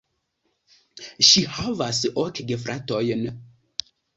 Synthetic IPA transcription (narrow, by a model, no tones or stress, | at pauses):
ʃihavasɔkɡefɾʔatojn